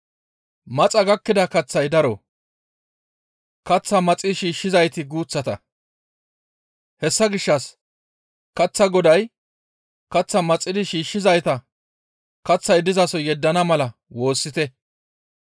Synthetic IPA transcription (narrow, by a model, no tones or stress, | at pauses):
mɐt͡sʼɐɡɐkːɪd̪ɐkɐt͡sːɐjd̪ɐɾɔ | kɐt͡sːɐmɐt͡sʼːɪʃiːʃːɪzɐjt̪ɪɡuːt͡sːɐt̪ɐ̰ | hɛsːɐɡɪʃːɐs | kɐt͡sːɐɡɔd̪ɐj | kɐt͡sːɐmɐt͡sʼːɪd̪ɪʃiːʃːɪzɐjt̪ɐ | kɐt͡sːɐjd̪ɪzɐsɔjɛd̪ːɐnɐmɐlɐwo̞ːsːɪt̪ɛ